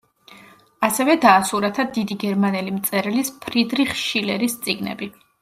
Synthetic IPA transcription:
asɛvɛd̪aːsuɾat̪ʰad̪id̪iɡɛɾmanɛlimt̪sʼɛɾlispʰɾid̪ɾiχʃʃilɛɾist̪sʼiɡnɛ̰bi

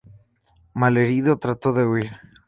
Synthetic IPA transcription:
maleɾiðot̪ɾat̪oðe̞uiɾ

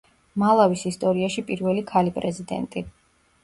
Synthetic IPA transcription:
malˠavisist̪ʼɔɾiaʃipʼiɾvɛlikʰalipʼɾɛzid̪ɛ̰nt̪ʼi

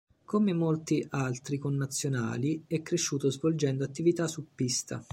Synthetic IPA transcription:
komemolt̪iʔalt̪ɾikonːat̪sːjona̰ːliɛkːɾeʃːuːt̪ozvold͡ʒɛnd̪oat̪ːivit̪asupːist̪a̰

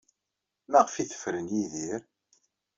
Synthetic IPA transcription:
mæʁəfiθə̥fɾənjiðiɾ

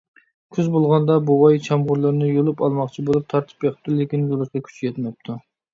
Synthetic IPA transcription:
kʲʰyzbolˠʁɑnd̪ɑbowɑjt͡ʃʰɑmʁʊɾlˠɨɾnɨjolˠupɑlˠmɑχqt͡ʃʰibolˠup̚t̪ʰɑɾt̪ʰɨ̥pjeχt̪ulɪkʲinzulˠɨʃkɑkʲʰy̥t͡ʃʰijɛt̪mɛp̚t̪ʰu

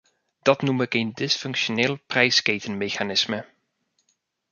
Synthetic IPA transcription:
d̥ɑtnumɪkejndɪsfɵŋkʃonɪːlˠprɛjskejtənmejχanɪsmə

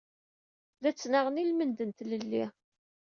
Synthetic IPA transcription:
ðæt͡sːnaʁənilmənd̪ənt̪ləlːi

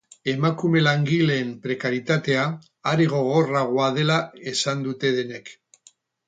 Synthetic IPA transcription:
e̞makume̞laŋɡileːmpɾe̞kaɾit̪at̪e̞a | aɾiɣ̞o̞ɣ̞o̞raɣ̞oað̞e̞lae̞sand̪ut̪e̞ðe̞ne̞k

